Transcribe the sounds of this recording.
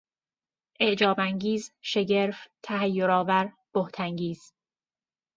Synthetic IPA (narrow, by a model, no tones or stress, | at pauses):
ʔeʔd͡ʒɒːbæŋɟiːzʃe̞ɟeɾft̪ʰæɦæjːoɾɒːvæɾ | b̥oht̪ʰæŋɟiːz̥